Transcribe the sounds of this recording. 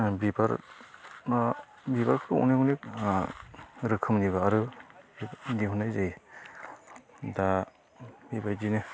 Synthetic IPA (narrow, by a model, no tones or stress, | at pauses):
bibaɾ | bibaɾkʰɯɾɯṵnijhunik̚ | ɾɯkʰɯmniβaːɾɯ | diɦunajzaj | da | bibajdine